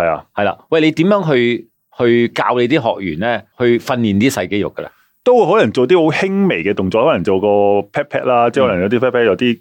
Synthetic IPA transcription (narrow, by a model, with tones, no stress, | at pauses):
hɐ˨ja̰ː˧hɐ˨jla̰ː˧wɐ˨jle˨˧jt̪i˨˥mjœː˨˥ŋɦɵ˧ɥ | hɵ˧ɥka̰ː˧wle˨˧jt̪̬iː˥ɦɔ̰ː˨k̚jy̰ː˨˩nlɛː˥hɵ˧ɥfɐ˧nliː˨˩nt̪iː˥sɐ˧jke˥jʊ̰˨˩kːə˧lʔɛ̰˥ | t̪o˥wuː˨˧jɦɔː˨˥lɐ˨˩ŋt͡so˨wt̪̬iː˥ho˨˥whɪ˥ŋme˨˩jkɛː˧t̪ʊ˨ŋt͡sɔː˧khɔː˨˥lɐ˨˩ŋt͡so˨wkɔː˧pʰɛː˥pʰɛː˥k̚laː˥t͡sɛ˥hɔ˨˥lɐ˨˩ŋjɐ˨˧wt̪i˥pʰɛː˥pʰɛ˥k̚jɐ˧wt̪iː˥